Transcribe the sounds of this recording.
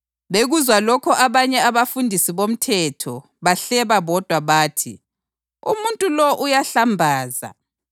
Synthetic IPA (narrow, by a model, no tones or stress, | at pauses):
βeɣuzwalɔkʰɔʔaβaɲɛaβafundʱisiβom̩tʰɛtʰɔ | βaɬɛβaβɔd̥ʱwaβaːtʰḭ | ṵmuntʼulɔʔujaɬambʱaːza̰